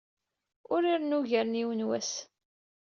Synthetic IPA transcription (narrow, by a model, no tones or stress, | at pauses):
ʊɾiɾnuʝəɾniwənwæs